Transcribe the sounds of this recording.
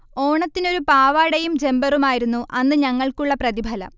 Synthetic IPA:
o̞ːɳɐt̪ːino̞ɾupaːʋaːɽɐjumd͡ʑe̞mbɐrumaːjiɾunːuʔɐnːɨɲɐŋːɐɭkuɭːɐprɐðibʱɐlɐ̰

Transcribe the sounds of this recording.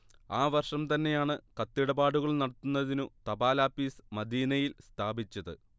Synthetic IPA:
aːʋɐrʂɐmt̪ɐnːe̞jaːɳɨkɐt̪ːiɽɐbaːɽuɣɐɭnɐɽɐt̪ːunːɐðinut̪ɐbaːlaːfiːsmɐd̪iːnɐjilst̪ʰaːbit͡ɕːɐðɨ̰

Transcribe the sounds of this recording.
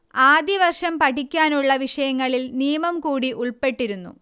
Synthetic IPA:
aːd̪iʋɐrʂɐmpɐʈikʲːaːnuɭːɐʋiʂɐjɐŋːɐɭilniːmɐmkuːɽiʔuɭpe̞ʈːiɾunːṵ

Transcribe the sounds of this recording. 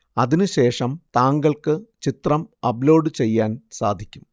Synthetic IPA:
ɐðinɨɕe̞ːʂɐmt̪aːŋɡɐɭkɨt͡ɕit̪rɐmɐblo̞ːɖɨt͡ɕe̞jːaːnsaːd̪ʱikʲːum

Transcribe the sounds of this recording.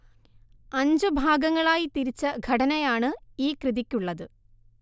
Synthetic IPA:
ɐɲd͡ʑɨbʱaːɡɐŋːɐɭaːjit̪iɾit͡ɕːɐɡʱɐɽɐnɐjaːɳɨiːkrɨðikʲːuɭːɐðɨ

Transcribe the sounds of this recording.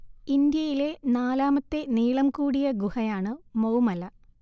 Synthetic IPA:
ind̪jɐjile̞naːlaːmɐt̪ːe̞niːɭɐmkuːɽijɐɡuhɐjaːɳɨmɐwmɐlɐ

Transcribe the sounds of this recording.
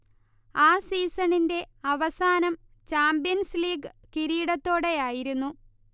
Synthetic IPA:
aːsiːsɐninde̞ɐʋɐsaːnɐm | t͡ɕaːmbijɐnsliːɡɨkiɾiːɽɐt̪ːo̞ːɽe̞jaːjiɾunːu

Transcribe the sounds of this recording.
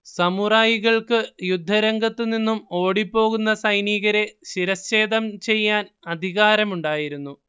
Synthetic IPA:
sɐmuraːjiɣɐɭkɨjud̪ʱːɐɾɐŋɡɐt̪ːɨninːumo̞ːɽipːo̞ːɣunːɐsɐjniːɣɐɾe̞ɕiɾɐse̞ːd̪ɐmt͡ɕe̞jːaːn | ɐd̪ʱiɣaːɾɐmuɳɖaːjiɾunːu

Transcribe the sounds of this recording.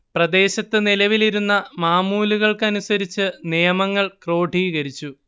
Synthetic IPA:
prɐd̪e̞ːɕɐt̪ːɨnilɐʋiliɾunːɐmaːmuːluɣɐɭkɨɐnusɐɾit͡ɕːɨnijɐmɐŋːɐɭkro̞ːɖʱijɣɐɾit͡ɕːu

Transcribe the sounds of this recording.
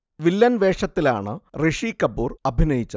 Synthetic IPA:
ʋilːɐnʋe̞ːʂɐt̪ːila̰ːɳɨreʂikɐbːuːrɐbʱinɐjit͡ɕːɐ

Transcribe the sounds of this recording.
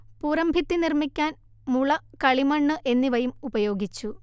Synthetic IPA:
puːɾɐmbʱit̪ːinirmikʲːaːn | muɭɐkɐɭimɐɳːɨʔe̞nːiʋɐjumubɐjo̞ːɡit͡ɕːu

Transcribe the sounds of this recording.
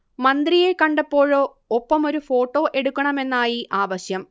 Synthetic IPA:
mɐnd̪rijekɐɳɖɐpːo̞ːɻo̞ː | opːɐmo̞ɾufo̞ːʈːo̞ːʔe̞ɽukʲːɐɳɐme̞nːaːjiʔaːʋɐɕjɐm

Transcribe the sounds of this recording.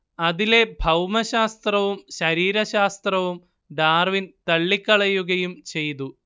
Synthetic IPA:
ɐðile̞bʱɐwmɐɕaːst̪rɐʋumɕɐɾiːɾɐɕaːst̪rɐʋum | ɖaːrʋint̪ɐɭːikʲːɐɭɐjuɣɐjumt͡ɕe̞jt̪u

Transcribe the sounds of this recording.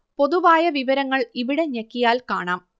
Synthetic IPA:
po̞ðuʋaːjɐʋiʋɐɾɐŋːɐɭiʋiɽe̞ɲɐkːijaːlkaːɳaːm

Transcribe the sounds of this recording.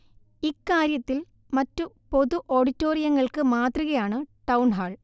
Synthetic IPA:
ikːaːɾjɐt̪ːil | mɐtːu | po̞ðuʔoːɽitːo̞ːrijɐŋːɐɭkɨmaːt̪riɣɐjaːɳɨʈɐwɳɦaːɭ

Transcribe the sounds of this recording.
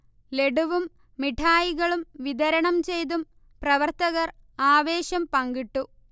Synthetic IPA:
le̞ɖuʋumː | iʈʰaːjiɣɐɭumʋid̪ɐɾɐɳɐmt͡ɕe̞jt̪̬um | prɐʋɐrt̪ɐɣɐr | aːʋe̞ːɕɐmpɐŋɡiʈːu

